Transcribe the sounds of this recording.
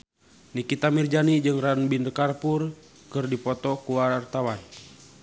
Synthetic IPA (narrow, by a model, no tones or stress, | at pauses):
nikit̪amird͡ʒanid͡ʒɨŋranbindkarpur | kɨrdipɔt̪ɔkuwart̪awan